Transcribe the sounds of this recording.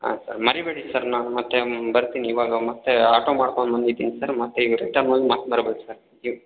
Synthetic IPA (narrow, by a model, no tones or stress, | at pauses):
a̰ːsɐ̰ɾmɐɾibeːɽisɐɾnaːnumɐt̪ːebɐɾt̪iːniːʋaːɡɐmɐt̪ːeaːʈoːmaːɽkoɳb̪ɐnd̪id̪ːiːnisɐɾmɐt̪ːeiɡɾḛkʈaːnoːjimaːt̪maːɾɐbek̪usɐɾji